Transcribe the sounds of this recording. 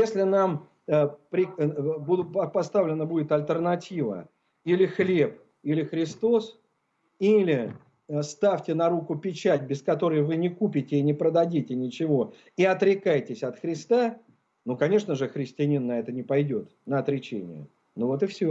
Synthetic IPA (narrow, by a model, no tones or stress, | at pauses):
jesʲlʲɪnam | əpɾʲɪbud̪ʲʊt̪pɐpɐst̪avlʲɪnəbudʲɪt̪ɐlʲt̪ərnɐtʲivə̰ | ilʲɪxlʲe̞p̚ | ilʲɪxɾʲɪst̪o̞s | ilʲɪ | st̪afʲtʲɪnɐɾukʊpʲɪt͡ɕæt̚ʲbʲɪskɐt̪o̞ɾəjvɨnʲɪkupʲɪtʲɪːnʲɪpɾəd̪ɐdʲitʲɪnʲɪt͡ɕɪvo̞ | iɐt̪ɾʲɪkajtʲɪsʲɐt̪xɾʲɪst̪a | nukɐnʲe̞ʂnəʐɨxɾʲɪsʲtʲɪɐnʲinːɐɛt̪ənʲɪpɐjdʲo̞t̪nəɐt̪ɾʲɪt͡ɕḛnʲɪ̰jə̰ | novo̞t̪ɨfsʲo